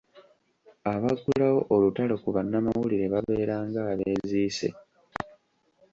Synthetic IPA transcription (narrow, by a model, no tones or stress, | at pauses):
aβakulawo̞ʔolutalo̞kuβanːamawuliɾe̞βaβe̞ːɾaːŋɡaːβeːziːse̞̰